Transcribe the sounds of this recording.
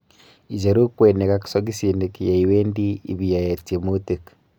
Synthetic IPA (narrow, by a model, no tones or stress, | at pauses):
id͡ʒeɾokweːnekaki̥soɡisinekijaiweːndḭːβiajatimotek